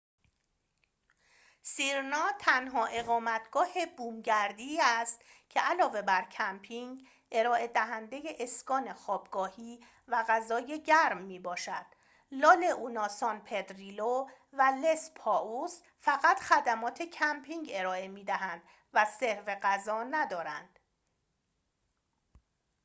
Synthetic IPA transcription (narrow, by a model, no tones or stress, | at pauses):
siːɾnɒːt̪ʰænɦɒːʔe̞ɣɒːmæt̪ʰɡ̥ɒːhebuːmɟæɾd̪iæst̪cʰe̞ælɒːve̞bæɾcʰæmpʰiŋɡ | e̞ɾɒːʔe̞d̪æɦænd̪e̞je̞ʔeskɒːne̞xɒːbɡ̥ɒːhiː | væɣæzɒːje̞ɟæɾmːiːbɒːʃæd̪̥ | lɒːle̞ʔunɒːsɒnpʰe̞d̪ɾiːlo | væle̞spʰɒːus | fæɣæt̪xæd̪æmɒːt̪ʰe̞cʰæmpʰiŋɡe̞ɾɒːe̞miːd̪æɦænd̪ | væse̞ɾve̞ɣæzɒːnæd̪ɒːɾænd̪̥